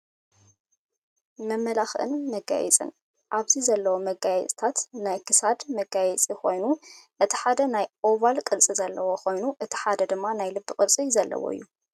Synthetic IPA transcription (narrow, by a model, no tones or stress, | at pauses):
mɐmːɐlaxʔɨ̰nmɐɡa̰jɛ̰t͡sʼɨ̰n | ʔaβzizɐlːɐwomɐɡajɛt͡sʼt̪ʰat̪najkʰɨsad̪mɐɡajɛt͡sʼiko̞jnuʔɨt̪ʰi̥ħad̪ɐnajʔoβalkʼɨlt͡sʼizɐlːɐwoko̞jnuʔɨt̪ʰi̥ħad̪ɐd̪ɨmːanajlɨbːɨkʼɨlt͡sʼizɐlːɐ̰wo̰ɨ̰jːu